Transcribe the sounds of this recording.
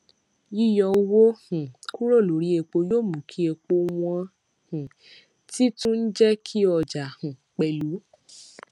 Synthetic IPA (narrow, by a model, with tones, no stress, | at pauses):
ji˦jɔ˧˦˧wo˦hũ˨ku˦ɾo˦˨lo˨˦ɾi˦e˧k͡po˧joː˦˨mũ˨kʰi˨˦e˧k͡po˧˦w̃ɔ̃˧ | hũ˨ | ti˦tũ˦n̩˦d͡ʒɛ˦kʰi˦ɔ˧d͡ʒa˨hũ˨k͡pɛ˨lu˨˦